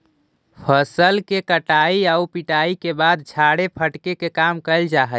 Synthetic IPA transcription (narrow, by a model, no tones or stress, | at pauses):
pʰəsəlkekəʈaiaupiʈaikebad̪̚d͡ʒʰʱaɽepʰəʈkekekamkəɪld͡ʒaɦə